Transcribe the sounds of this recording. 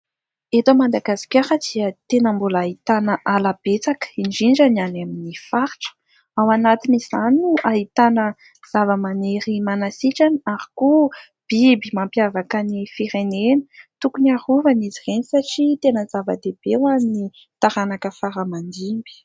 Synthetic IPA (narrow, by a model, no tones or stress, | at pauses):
et̪amad̪aɡasi̥kʲaɾəd̪̥iət̪enəmbulait̪anəʔalab̥et͡sakind͡ʒiɳd͡ʒananaminifaɾʈ͡ʂə̥ | awanat̪inizanuʔaɦit̪anə | z̥avəmaneɾimanasiʈ͡ʂanaɾi̥ku | b̥ibimampijavakanifiɾenenə̥t̪ukunaɾuvanizirenisaʈ͡ʂit̪enəzavə̰d̪ebewamni | t̪aɾanakəfaɾəmand̪imbi̥